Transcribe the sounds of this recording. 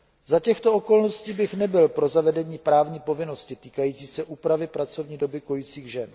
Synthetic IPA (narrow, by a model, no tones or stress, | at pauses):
zacɛxt̪o̞o̞ko̞lno̞sciːbɪxnɛbɪlpɾo̞zavɛdɛɲiːpɾaːvɲiːpo̞vɪno̞scɪt̪iːkajiːt͡siːsɛʔuːpɾavɪpɾat͡so̞vɲiːdo̞bɪko̞jit͡siːɣʒɛn